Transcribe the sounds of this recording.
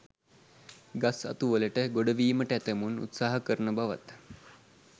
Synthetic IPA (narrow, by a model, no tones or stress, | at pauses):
ɡasa̰t̪uʋələʈəɡoɖəʋiːməʈəæt̪əmunṵt̪saːɦəkəɾnəbaʋa̰t̪